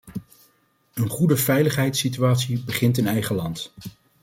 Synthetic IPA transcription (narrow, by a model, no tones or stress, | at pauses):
ənχudəvɛjləχɦɛjtsityaːtsibəχɪntənɛjχəlɑnt